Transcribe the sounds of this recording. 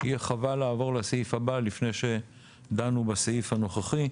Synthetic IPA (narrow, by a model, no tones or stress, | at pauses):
ijeχavalaːvo̞ʁlaseifabalifne̞jʃe̞ | d̪anubaseifhano̞χaχi